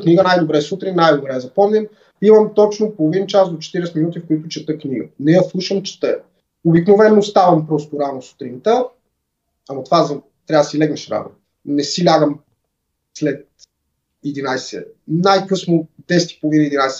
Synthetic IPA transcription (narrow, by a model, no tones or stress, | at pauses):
kniɡənajd̪obɾɛsut̪ɾinnajd̪obɾɛːzɐpɔmnʲɛn | imɐmt̪ɔt͡ʃnopolˠovint͡ʃasd̪ot͡ʃɛ̥t̪iɾɛsɛt̪minut̪ifkʊit̪ʊt͡ʃɛt̪əkniɡənɛjəslˠuʃəmt͡ʃɛ̥t̪əɛ | obiknovɛnːost̪avɐmpɾɔst̪ʊɾanoso̥t̪ɾint̪ə | ɐmɐt̪ovazɐ | t̪ɾʲavd̪silɛɡnɛʃɾa̰no̰ | nɛsilʲaɡəm | slɛt̪̚ | ɛd̪inajsɛ̰najkɤsnod̪ɛsɛ̥t̪i̥polˠovinəid̪inajsɛ